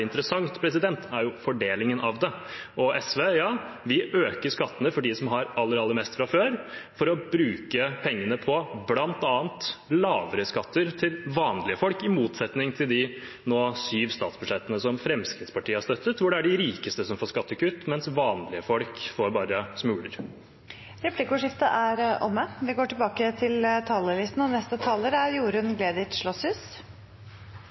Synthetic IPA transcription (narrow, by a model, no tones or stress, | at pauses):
ɪnt̪əɾəsɑŋt̪pʰɾɛs̬ɪd̪ɛnt̪ʰæɾjʊfɔɖeːlɪŋənʔɑʋd̪ɛ | ʔɔʔɛsʋeːjɑː | ʋɪʔøːkəʂkɑt̪ːənəfɔɖisɔmɦɑɾɑlːəɾɑlːəɾmɛst̪fɾɑføːɾfɔɾɔbɾʉːkəpʰɛŋːənəpʰɔblɑnt̪ɑːənt̪lɑːʋəɾəskɑt̪ːəɾt̪ʰɪlʋɑːnlɪəfɔlkɪmuːt̪sɛt̪nɪŋt̪ʰɪld̪ɪ | noːsyːʋst̪ɑːt̪sbʉʂɛt̪ːənəsɔmfɾɛmskɾɪːd̪spɑʈʰiːəhæʂst̪œt̪ːət̪ʋʊɖɛæɖɪɾiːkəst̪əsɔmfoːʂskɑt̪ːəkʉt̪mɛnsʋɑːnlɪəfɔlkfoːɾbɑːɾəsmʉːɽəɾ | ɾɛplɪkʊʂɪft̪əʔæɾʔɔmːəʋɪɡoːʈɪlbɑːkət̪ʰɪlt̪ʰɑːləlɪst̪nɔnɛst̪ət̪ʰɑːləɾæɾjuːɾʉnɡlɛd̪ɪt̪ʂɭɔshʉːs